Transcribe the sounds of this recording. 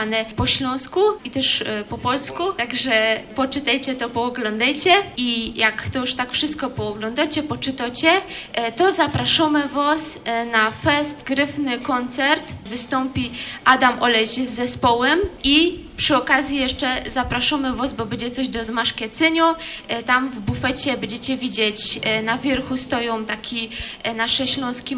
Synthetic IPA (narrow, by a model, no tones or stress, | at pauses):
anɛpɔɕlɔ̃w̃skuit̪ɛʂpɔpɔlskut̪aɡʐɛpɔt͡ʂɘt̪ajt͡ɕɛt̪ɔpɔːɡlɔnd̪ajt͡ɕɛijakt̪ɔjuʂt̪akfʂɘst̪̚kɔpɔːɡlɔnd̪at͡ɕɛpɔt͡ʂɨt̪ɔt͡ɕɛt̪ɔzapɾaʂɔmɛvasnafɛst̪ɡɾɘfnɘkɔnt̪sɛɾt̪vɘst̪ɔmpʲiʔad̪amʔɔlɛʑzːɛspɔwɛmi | pʂɨɔkazʲjijɛʂt͡ʂɛzapɾaʂɔmɘvɔzbɔbɛɲd͡ʑɛt̪sɔʑd̪ɔzmaʂkʲɛt̪sɘɲɔt̪amvbufɛt͡ɕɛbɛɲd͡ʑɛt͡ɕɛvʲid͡ʑet͡ɕnavʲjɛɾxust̪ɔjɔ̃w̃t̪akʲinaʂɛɕlɔ̃w̃skʲi